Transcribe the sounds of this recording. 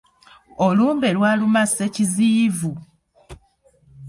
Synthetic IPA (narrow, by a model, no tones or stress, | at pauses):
o̞luːmbe̞lwaːlumase̞ciziːvu